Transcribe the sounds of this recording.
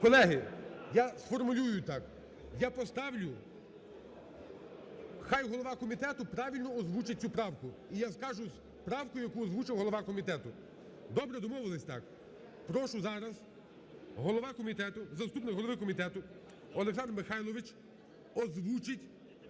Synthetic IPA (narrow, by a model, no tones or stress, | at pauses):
kɔlˠɛɦɪjasfɔrmʊlʲujʊt̪ɑk | japɔst̪ɑwlʲʊ | xɑjɦɔlˠɔʋɑkɔmʲit̪ɛt̪ʊpɾɑʋʲilʲnɔɔzʋut͡ʃɪt̚ʲt͡sʲupɾɑwkʊijaskɑʒʊz | pɾɑwkɔjʊjɐkuɔzʋut͡ʃɪwɦɔlˠɔʋɑkɔmʲit̪ɛt̪ʊ | d̪ɔbɾɛd̪ɔmɔʋɪlˠɐsʲt̪ɑ̰k | pɾɔʃʊzɑɾɐz | ɦɔlˠɔʋɑkɔmʲit̪ɛt̪ʊzɐst̪upnɪkɦɔlˠɔʋɪkɔmʲit̪ɛt̪ʊ | ɔlˠeksɑnd̪rmɪxɑjlˠɔʋɪt͡ʃ | ɔzʋut͡ʃɪtʲ